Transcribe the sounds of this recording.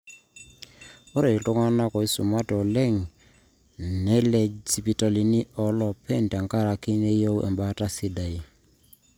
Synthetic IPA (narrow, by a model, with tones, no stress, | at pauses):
ɔ˦ɾe˨i˨tʊ˦ŋa˦na˦kɔ˨i˦sʊ˨ma˦tɔ˨lɛ˦˨ŋ | nɛ˦lɛ˨si˨pi˨tɔ˨li˨ni˦ʔɔ˨˦lɔ˨pʰɛ˦˨n˨ta˨ŋka˦˨ɾa˨ki˦ne˦jo˦wʔɛ̰˨mba˦ta˦si˦da˨i˦